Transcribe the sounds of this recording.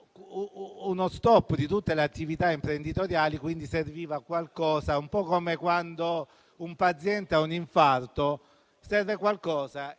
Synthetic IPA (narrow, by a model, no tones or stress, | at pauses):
nost̪ɔpːd̪it̪ut̪ːeleat̪ːivit̪aimpɾend̪it̪oɾjaːlikwind̪iseɾviːvakwalkɔːsaumpɔkomekwand̪o | umpat̪sjɛnt̪eauniɱfart̪o | sɛrvekwalkɔːsa